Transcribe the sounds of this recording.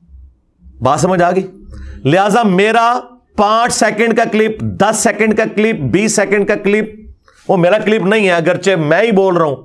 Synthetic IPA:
baːsəməd͡ʒaːɡəiːlɪɦaːzaːmeːɾaː | pãːt͡ʃsɛːkə̃ɳɖkaːkɪlɪpd̪əsːɛːkə̃ɳɖkaːklɪp̚biːsːɛːkə̃ɳɖkaːklɪp̚ | oːmeːɾaːklɪpnəɦĩːɛːəɡəɾt͡ʃeːmɛ̃ːiːboːlɾəɦũː

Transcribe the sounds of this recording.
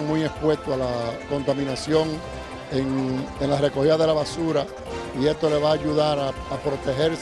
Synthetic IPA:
ŋmũje̞spwe̞st̪oalako̞nt̪amĩnasjo̞ŋ | eŋeŋlare̞ko̞hiðaðe̞laβasuɾa | ie̞st̪o̞le̞βaːʝuðaɾaːpɾo̞t̪e̞ɦe̞ɾs

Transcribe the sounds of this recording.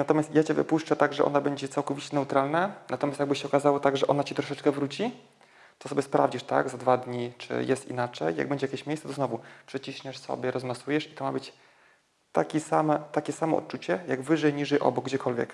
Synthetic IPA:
nat̪ɔmʲjast̪jat͡ɕɛvɘ̰puʂt͡ʂɛt̪aɡʐɛʔɔ̰nabɛɲd͡ʑɛt̪sawkɔvʲit͡ɕɛnɛut̪ɾalnanat̪ɔmʲast̪jaɡbɘɕɛɔkazawɔt̪aɡʐɛʔɔnat͡ɕɛt̪ɾɔʂɛt͡ʂkɛvɾut͡ɕi | t̪ɔ̥sɔbʲɛspɾa̰vd͡ʑiʂt̪a̰ɡzad̪vad̪ɲit͡ʂɘ̰jɛst̪ḭnat͡ʂɛjːa̰ɡbɛɲd͡ʑɛjakʲjeɕmʲjejsat̪ɔznɔvupʂɛt͡ɕiɕɲɛʂsɔ̰bʲjɛɾɔzmasujɛʂi̥t̪ɔmabɘt͡ɕ | t̪a̰kʲisamɛt̪akʲɛsamɔ̰ɔ̰t̪̚t͡ʂut͡ɕɛjaɡvɘʐɛjɲiʐɛjʔɔ̰bɔɡd͡ʑɛkʰɔlvʲjɛ̰k

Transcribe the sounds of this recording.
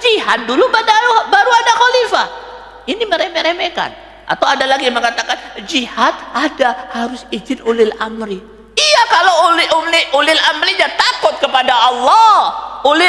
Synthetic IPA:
d͡ʒiɦat̪̚dulubadaubaɾuadaxɔlifa | iniməɾemeɾemeka̰n | ʔa̰t̪awadalaɡiaməŋat̪akand͡ʒihat̪adahaɾʊsid͡ʒɪnulɪlamɾi | ijakalollɪʔulɪlamɾiɲat̪akʊt̪̚kəpadaʔɑlːɔulɪ

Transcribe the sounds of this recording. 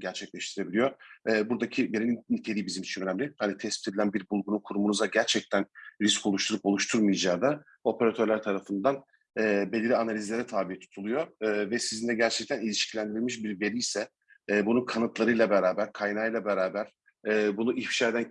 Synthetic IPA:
ɟæɾt͡ʃʰɛclʲɛʃt̪ʰiɾe̞bilʲijo̞ɛːbuɾd̪acʰibeɾinnit̪ʰe̞lʲiːbizimit͡ʃʰinønæmlʲihanit̪ʰɛspi̥t̪ʰd̪ilʲænbiɾbulˠɡunukʰuɾumunuzaɟæɾt͡ʃʰɛc̚t̪ʰænɾisko̞lˠuʃt̪ʰuɾupo̞lˠuʃt̪ʰuɾmɯjd͡ʒaːd̪a | o̞pʰeɾat̪ʰøɾlʲæɾt̪ʰaɾafɯnd̪an | ɛːbe̞lʲiɾʲianalʲizlʲeɾɛt̪ʰaːbijɛt̪ʰu̥t̪ʰulˠujoːvɛsizind̪ɛɟæɾt͡ʃʰɛc̚t̪ʰænilʲiʃcʰilʲænd̪iɾilʲmiʃ̬biɾbe̞ɾʲijsɛː | bununkʰanɯt̪lˠaɾɯjlˠabeɾaːbæɾkʰajnaɯjlˠabeɾaːbæɾ̥ | ɛːbunuʔiçpi̥ʃaed̪æn

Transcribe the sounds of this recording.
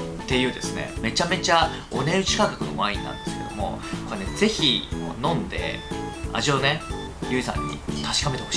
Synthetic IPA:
t̪e̞jɯ̟ːd̪e̞sɨne̞̰me̞t͡ɕame̞t͡ɕa | o̞ne̞ɯ̟t͡ɕi̥kãkakɯ̟no̞̰mãĩnːã̰nd̪e̞sɨ̥ked̪o̞̰mo̞̰kone̞d͡ze̞çikonõ̞nd̪e̞̰a̰ʑione | jɯ̟ːzã̰ɲ̟ːḭt̪aɕi̥kame̞t̪e̞ho̞ɕ

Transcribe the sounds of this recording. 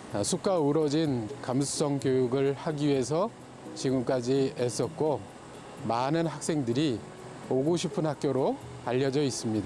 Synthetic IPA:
sʰuk͈aɯɾʌd͡ʑinkamsʰu̥s͈ʌŋkjojuɡɯɭhaɡiɥie̞s̬ʰʌ | t͡ɕiɡɯmk͈ad͡ʑies͈ʌt̚k͈o | manɯnɦak̚s͈e̞ŋdɯɾi | oɡuɕʰipʰɯnhak̚k͈joɾo | aʎːʌd͡ʑʌis͈ɯmɲida

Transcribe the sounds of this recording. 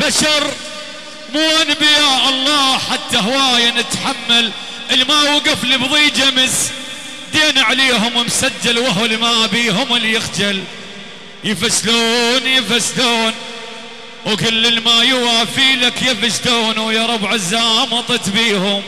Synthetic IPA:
baʃɑɾˤ | muːʔanibjaʔɑlˤːɑːħat̪ːahawaːjanɪt̪ħamːal | ʔəlmaːwɪɡʊflibðˤiːd͡ʒaməs | d̪eːnaʕaleːɦʊmwɪmsad͡ʒːalwaɦlmabiːɦʊmɪlːjɪxd͡ʒal | jɪfasluːnjɪfasd̪uːn | wkɪlːɪlmajwaːfiːlakjɪfasd̪uːnwjaɾˤɑbʕɪzaːmɑt̪ˤɨt̪biːhʊm

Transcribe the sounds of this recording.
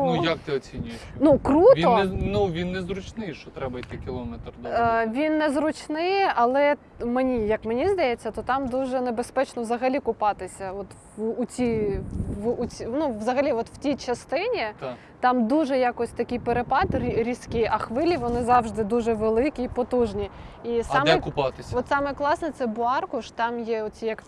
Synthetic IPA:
nujɐk̚t̪ɪɔt͡sʲinʲʊjjnukɾut̪ʲɔnuʋʲinːɛzɾʊt͡ʃnɪjʃt͡ʃɔt̪ɾɛbɐjt̪ɪkʲɪlˠɔmɛt̪rd̪ʋʲinːɛzɾʊt͡ʃnɪjʔɐlˠɛ | menʲijɐkmenʲizd̪ɐjet͡sʲːɐt̪ɔt̪ɑmd̪uʒɛnebespɛt͡ʃnɔʋzɐɦɐlʲikʊpɑt̪ɪsʲɐɔt̪ː | t͡sʲiː | inuʋzɐɦɐlʲiɔt̪w̥tʲijt͡ʃɐst̪ɪnʲi | t̪ɑmd̪uʒɛjakɔsʲt̪ɐkʲɪjpeɾepɑt̪rʲiɾʲiskʲɪɐxʋɪlʲiʋɔnɪzɑwʒd̪ɪd̪uʒɛʋelˠɪkʲiːpɔt̪uʒnʲiisɑmkpt̪ʋɔt̪sɑmɛklˠɑsnɛt̪sɛbʊɑrkʊʃt̪ɑmjɛʊt͡sʲijɐk

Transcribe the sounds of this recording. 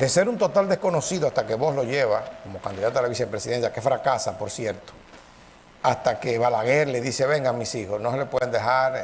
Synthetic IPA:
d̪e̞se̞ɾunt̪o̞t̪ald̪e̞sko̞no̞siðoast̪ake̞βo̞slo̞ʝeβako̞mo̞kand̪iðat̪oelaβisepɾe̞siðe̞nsjake̞fɾakasapo̞ɾsje̞ɾt̪o̥ | ast̪akeβalaɣeɾle̞ðise̞βe̞ŋɡamĩsixo̞sno̞sele̞pweðend̪ehaɾ

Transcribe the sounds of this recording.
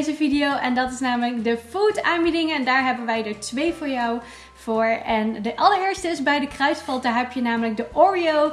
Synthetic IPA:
zəvidijowʔɛndɑtɪsnaːmələk̚dəfuːtaːnbidɪŋɛndaːɹɦɛbənʋɛjdəɹtʋejvʊːɹjɑw | v̥ʊːɹɛndəʔɑləɹɪːɹstəɪsbɛjdəkrœɥsfɑlˠtaɹɦɛpjənaːmələk̚dəʔɔːɹiow

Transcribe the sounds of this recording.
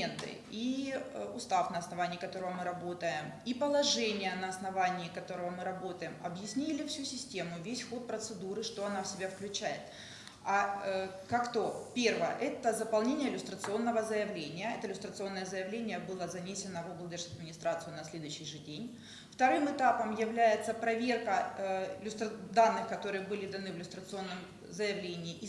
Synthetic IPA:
ent̪ɨ̰ | iʊst̪afnɐɐsnɐvanʲɪːkɐt̪o̞ɾəvəmɨɾɐbo̞t̪əjɪm | ipəlˠɐʐɛnʲɪjənɐɐsnɐvanʲɪːkɐt̪o̞ɾəvəmɨɾɐbo̞t̪əjɪmɐbjɪsʲnʲilʲɪfsʲusʲɪsʲtʲemʊvʲesʲxo̞t̪̚pɾət̪sɨd̪uɾɨʂt̪o̞ɐnafsʲɪbʲafklʲʉt͡ɕæjɪt̪ | a | kakt̪o̞pʲervəjə̰ʔɛt̪əzəpɐlˠnʲenʲɪjəɪlʲʊst̪ɾət̪sɨo̞nːəvəzəjɪvlʲenʲɪjəɛt̪əɪlʲʊst̪ɾət̪sɨo̞nːəjəzəjɪvlʲenʲɪjəbɨlˠəzɐnʲesʲɪnəvuɡlˠd̪ʲɛrʂɐd̪̚mʲɪnʲɪst̪ɾat̪sɨjʊnɐsʲlʲe̞d̪ʊjɕːɪjʐɨdʲenʲ | ft̪ɐɾɨmɨt̪apəmjɪvlʲæjɪt̪səpɾɐvʲe̞rkəɪlʲʊst̪ɾəd̪anːɨxkɐt̪o̞ɾɨjəbɨlʲɪd̪ɐnɨvʲɪlʲʊst̪ɾət̪sɨo̞nːɨm | zəjɪvlʲenʲɪːʔi

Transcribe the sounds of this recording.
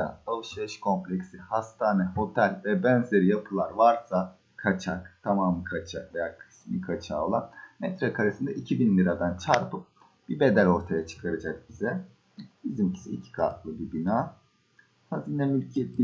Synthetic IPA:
a̰avˠʃaʃkʰo̞mplʲecsihast̪ʰaːnɛho̞t̪ʰælʲvɛbønze̞ɾijapʰɯlˠaɾvaɾsa | kʰat͡ʃʰakt̪ʰamaːmɯkʰat͡ʃʰakvejaːkʰɯ̥smḭkʰat͡ʃʰa̰ːo̞lˠanmɛt̪ɾakʰaɾasɯnd̪aʔicʰibinlʲiɾad̪ant͡ʃʰaɾpɯp̚ | b̥ibe̞d̪ælo̞ɾt̪ʰajat͡ʃʰɯ̥kʰaɾad͡ʒak̚bizɛ | bizimcʰi̥siicʰi̥kʰa̰t̪lˠɯbibinaː | hazinɛmylʲcʰɛt̪ːi

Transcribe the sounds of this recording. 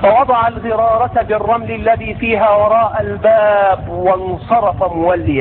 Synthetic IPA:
fɑwɑd̪ˤɑʕalɣɪɾˤɑːɾˤɑt̪bɪrˤːɑmlɪlːaðiːfiːɦaːwɑɾˤɑːʔalbaːbwɑnsˤɑɾˤɑfamʊwalːɪja

